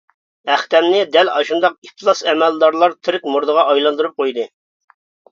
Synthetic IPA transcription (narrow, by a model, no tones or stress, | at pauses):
æχt̪ɛnnɪd̪ɛlɑʃund̪ɑqit̪ʰɨlˠɑsɛmɛld̪ɑɾlˠɑɾt̪ʰɪɾkʲmuɾd̪əʁɑʔɑjlˠɑnd̪uɾup̚qʰojd̪ɨ